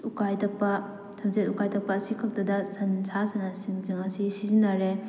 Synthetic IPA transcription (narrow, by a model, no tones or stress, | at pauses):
ukajtɐk̚pɐ | sʰɐmzetukajtʰɐk̚pɐːsikʰɐk̚tɐdɐsɐnsʰasanasiŋzɯŋɐsisizinaɾe